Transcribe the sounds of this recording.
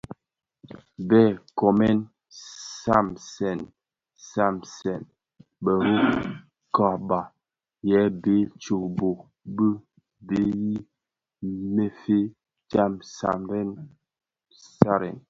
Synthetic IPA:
bɛ˦˨kɔ˨mɛ˦n | sa˦˨msɛ˨n | sa˦˨msɛ˨n | bə˨ɾu˦ | ka˨ba˨ | jɛ˨˦be˨˦t͡ʃo˨bo˨ | bə˦ | be˨˦ji˦ | me˦fe˦ | d͡ʒa˦msa̰˨mbɛ˦n | sa˦ɾɛ̰˨n

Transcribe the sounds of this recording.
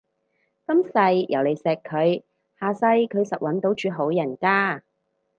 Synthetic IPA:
kɐ˥msɐ˧jjɐ˨˩wle˨˧jsɛː˨kʰːɵ˨˧ɥ | haː˨˧sɐ˧jkʰɵ˨˧ɥsɐ˨t̚wɐ˨˥nt̪o˨˥wt͡ʃyː˨˧ɦo˨˥wjɐ˨˩nkaː˥

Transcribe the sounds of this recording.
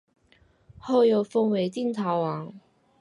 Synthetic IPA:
ho˥˩wjo˨˧˥wfo˥ŋwe˨˥jt̪i˥˩nt̪ʰaː˨˥wwaː˨˥ŋ

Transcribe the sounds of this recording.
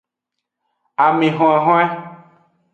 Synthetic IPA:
a˨mẽ˨ɦɔ̃˨ɛ˨ɦɔ̃˦ɛ˦

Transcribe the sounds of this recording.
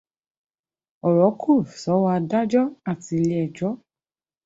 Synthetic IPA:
ɔ˨ɾɔ˨˦kʰu˦˨sɔ˨˦wa˧da˦d͡ʒɔ˦a˦˨ti˧li˦ɛ˨d͡ʒɔ˦

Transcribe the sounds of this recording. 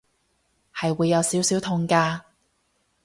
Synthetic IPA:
hɐ˨jwuː˨˧jːɐ˨˧wsiː˨˥wsiː˨˥wt̪ʰʊ˧ŋkaː˧

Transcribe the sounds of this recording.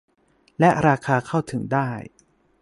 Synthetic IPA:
lɛ˦˥ʔɾaː˧kʰaː˧kʰa˥˩wt̪ʰɯ˩˦ŋdaː˥˩j

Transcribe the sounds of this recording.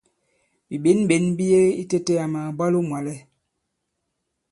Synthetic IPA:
bi˨ɓe˨˦nɓe˨˦nbi˦je˦i˦te˦te˦a˨ma˨ba˦lo˦mwa˨lɛ˦

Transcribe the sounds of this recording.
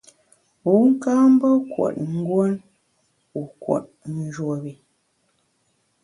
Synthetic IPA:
u˨˦ŋ̩˦kaː˦m̩˦bə˦kwo̰˨t̚ŋ̩˦ɡwo˦n | u˨kwo̰˨t̚n̩˨d͡ʒwo˨bi˨

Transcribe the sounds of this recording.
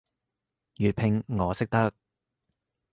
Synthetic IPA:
jyː˨t̚pʰɪ˧ŋːɔː˨˧sɪ˥k̚t̪ɐ˥k̚

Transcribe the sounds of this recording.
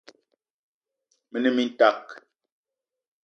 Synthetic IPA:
mə˦nə˦mi˦n̩˦ta˦˨k̚

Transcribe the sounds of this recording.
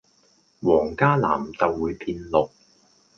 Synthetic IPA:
wɔː˨˩ŋkaː˥la̰ː˨˩mt͡sɐ˨wːuː˨˧jpʰiː˧nlʊ˨k̚

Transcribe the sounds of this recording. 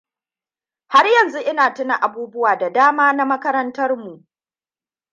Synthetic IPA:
ha˦rjɐ˨nzu˦ʔɪ˦naː˨tʊ˦na˨ʔa˨buː˦bʊ˦waː˨da˨daː˦maː˦na˦mɐ˦kɐ˦ɾɐ˦ntɐ˦rmu˨ʔ

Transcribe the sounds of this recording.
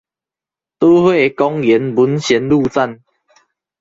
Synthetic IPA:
t̪oː˦hwe˥˧˨e˨˦kɔ˦ŋjɛ˨˦nbu˨˦nɕɛ˨˦nlu˥˧˨t͡sa˥˨n

